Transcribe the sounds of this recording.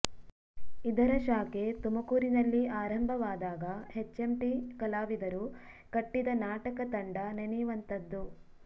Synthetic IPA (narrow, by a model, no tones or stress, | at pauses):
id̪ɐɾɐʃaːket̪umɐkuːɾinɐlːiʔaːɾɐmbʱɐʋaːd̪aːɡɐhet͡ʃːemʈikɐlaːʋid̪ɐɾu | kɐʈːid̪ɐnaːʈɐkɐt̪ɐɳɖɐnenijʋɐnt̪ɐd̪ːu